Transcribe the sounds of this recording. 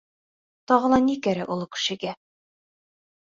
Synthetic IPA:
t̪ɒʁɤ̆lˠɑnikæɾɘʔulˠɤkɘ̥̆ʃɘ̆ɡæ

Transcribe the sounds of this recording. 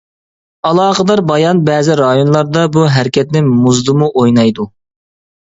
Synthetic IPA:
ɑlˠɑːqəd̪ɑɾbɑjɑnbɛːzɪɾɑjonlˠɑɾd̪ɑbuɦæɾkʲɛt̪nɪmuzd̪ɨmuʔojnɑjd̪u

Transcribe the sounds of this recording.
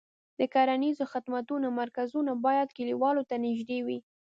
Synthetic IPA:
d̪əkɑɾanizoxɪd̪mat̪unomaɾkazunabɑjad̪kɪliwɑlot̪anɪʒd̪ewi

